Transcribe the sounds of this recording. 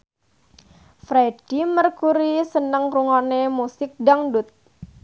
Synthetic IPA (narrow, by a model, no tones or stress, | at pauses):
fɾeɖ̥imərkuɾisənəŋruŋanemusɪk̚daŋdut̪̚